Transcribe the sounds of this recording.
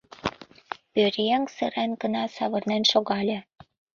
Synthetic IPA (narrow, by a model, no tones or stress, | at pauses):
pøɾʲjeŋsə̰̆ɾænɡə̆nɑsɑβɤ̆rnænʃoɣɑlʲĕ